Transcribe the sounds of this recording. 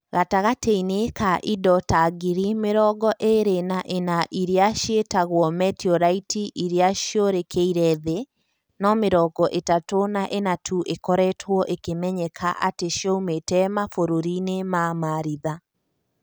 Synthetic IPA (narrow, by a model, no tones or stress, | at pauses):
ɣataɣateinekaʔidɔtaɡiɾimeɾɔɡɔʔeɾenaʔenaʔiɾeaʃetaɣwɔmɛtiɔɾaitiʔiɾeaʃjoɾekʰeiɾɛðe | nɔmeɾɔɡɔʔetatonaʔenatʰuʔekɔɾɛtʰwɔʔekemɛɲɛkʰaʔa̰teʃjɔumetɛmafoɾoɾinemamaɾiða